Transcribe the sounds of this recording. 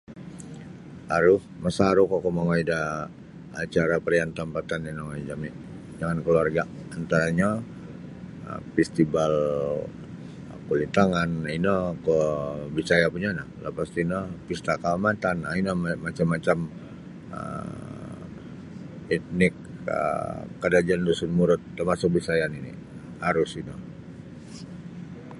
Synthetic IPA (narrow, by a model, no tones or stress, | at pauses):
aɾʊhmasaːɾukokomaŋoida | at͡ʃaɾapəɾijant̪əmpat̪ananaŋoid͡ʒamiʔ | d͡ʒaŋankəluarɡa | ant̪aɾaɲa | ə̰fɛst̪ibal | kulit̪aŋaninɔkɔbisajapuɲanahlapast̪inɔpist̪akaamat̪anːainamat͡ʃamːat͡ʃam | ə̰ | it̪̚nɪkə̰ːadad͡ʒandusunmuɾʊt̪ːərmasʊk̚bisajaninḭ | haɾʊsinɔ